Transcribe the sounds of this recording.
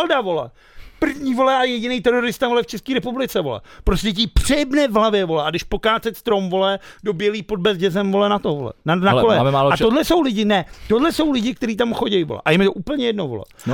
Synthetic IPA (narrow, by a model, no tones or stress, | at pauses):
ldavo̞lɛ̰ | pr̩vɲiːvo̞lɛʔajɛɟɪnejt̪ɛɾo̞ɾɪst̪avo̞lɛft͡ʃɛskiːɾɛpublɪt͡sɛvo̞̰lɛ̰pɾoscɛc̬ipr̥ɪbnɛvɦlavjɛvo̞lɛʔaɡdɪʃpo̞kaːt͡sɛt̪st̪ɾomvo̞lɛdo̞bjɛliːpo̞d̚bɛzɟɛzɛmvo̞lɛnat̪ovolɛ̰nanaolɛaat̪odlɛso̞wlɪɟɪnɛt̪odlɛso̞wlɪɟɪk̚t̪ɛɾiːt̪̬amxo̞ɟɛjvolɛ̰ʔajɛmɪt̪oʔuːpl̩ɲɛjɛdnovo̰lɛ̰